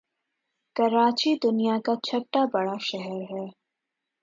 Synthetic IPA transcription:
kɐɾaːt͡ʃid̪ʊnijakat͡ʃʰɐʈːabɐɽaʃɛɦɛɾɦɛː

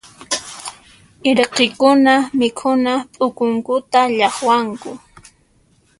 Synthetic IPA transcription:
ɪɾeqɪkʊnamɪkʰʊnapʼʊkʊŋkʊt̪aʎɑχwaŋkʊ

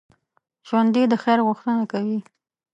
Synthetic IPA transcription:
ʒ̥wand̪id̪əxajɾɣʊxt̪ənakawi

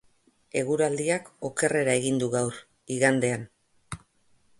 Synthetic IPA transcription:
e̞ɣ̞uɾald̪iako̞ke̞re̞ɾae̞ɣind̪uɣawɾ | iɣand̪e̞an

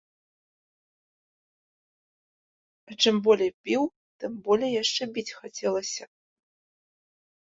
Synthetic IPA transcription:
ɐt͡ʂɨmbɔlʲɛpʲiw | t̪ɨmbɔlʲɛjaʂt͡ʂɛbʲit͡sʲxat͡sʲɛlˠɐsʲɐ

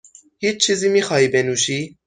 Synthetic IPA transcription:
hit͡ʃt͡ʃʰizimixɑːibɛnuʃi

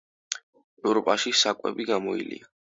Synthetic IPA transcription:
ɛvɾɔpʼaʃisakʼwɛ̰biɡamɔḭlḭa

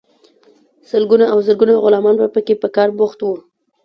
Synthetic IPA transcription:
səlɡunaawzəɾɡunaɣʊlɑmɑnbapəkepəkɑɾbʊxt̪wu

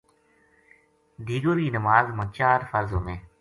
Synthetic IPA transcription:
d̪ʱiːɡoɾkiːnəmaːzmət͡ʃaːɾfəɾzoːmẽː

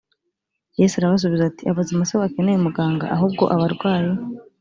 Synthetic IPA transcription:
jesaɾaβas̬oβizaːtiaβazimasoβakenejumuɡaːŋɡa̰ʔaɦubɡo̞̰ʔaβaɾɡwaːji

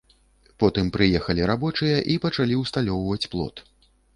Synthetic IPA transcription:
pɔt̪ɨmpɾɨjɛxɐlʲiɾabɔt͡ʂɨjɐʔipɐt͡ʂalʲiwst̪alʲɔwvɐt͡sʲplˠɔ̰t̪

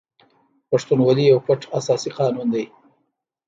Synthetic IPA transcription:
paʂt̪unwalijawkwaʈ͡ʂasɑsiqɑnund̪aj

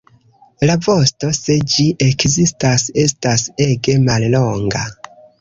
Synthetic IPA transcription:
lavo̞sto̞se̞d͡ʒiʔe̞kzistase̞stase̞ɡe̞malloŋɡa

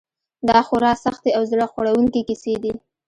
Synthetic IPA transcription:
d̪ɑxʊɾɑsaxt̪eawzɽəxwaɽawuŋkekised̪i

